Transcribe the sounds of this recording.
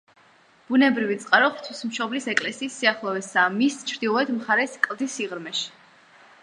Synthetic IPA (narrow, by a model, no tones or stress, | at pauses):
b̥unɛbɾivit̪sʼqʼaɾɔχt̪ʰwismʃɔblisɛkʼlɛsiːsːiaχlˠɔvɛsamist͡ʃʰɾd̪ilˠɔɛd̪mχaɾɛskʼlˠd̪isiʁɾmɛʃi̥